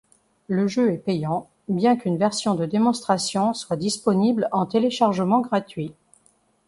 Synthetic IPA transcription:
ləʒøɛpejɑ̃ | bjɛ̃kynvɛʁsjɔ̃d̪əd̪emɔ̃st̪χasjɔ̃swad̪ispɔniblɑ̃t̪eleʃaʁʒəmɑ̃ɡʁat̪ɥi

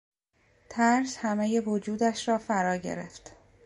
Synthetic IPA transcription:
t̪ʰæɾshæmeje̞vod͡ʒuːd̪æʃɾɒːfæɾɒːɟe̞̰ɾḛft̪

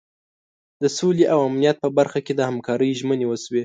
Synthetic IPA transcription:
d̪əsoleʔawamnijat̪̚pəbaɾxaked̪əhamkɑɾəjʒmənewəswe

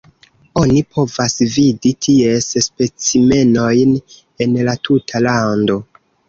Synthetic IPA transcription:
o̞nipʰo̞vasviditʰie̞sspe̞t͡sime̞no̞jn | enlatʰutʰalando̞

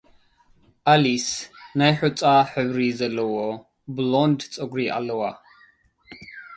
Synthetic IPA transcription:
alisnajħut͡sʼaħəwɾizɛlɔwɔ | blɔnd̪t͡sʼɔɡɾiʔa̰lwa

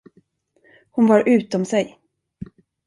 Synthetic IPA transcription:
hʊnvɑɾʔʉ̟ːt̪ɔmsɛj

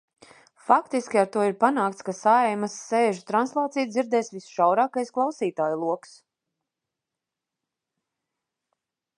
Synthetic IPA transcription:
fakt̪iskʲiaɾt̪uɔiɾpanaːkt̪skasaɛjmasːeːʒut̪ɾanslˠɑːt̪sijd̪ziɾd̪ɛːsvisʃawɾaːkajsklˠawsiːt̪aːjlˠuɔks

